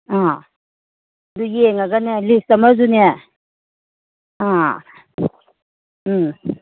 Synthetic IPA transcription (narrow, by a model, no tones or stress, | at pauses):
a | d̪ujeŋaɡanelistamazune | ã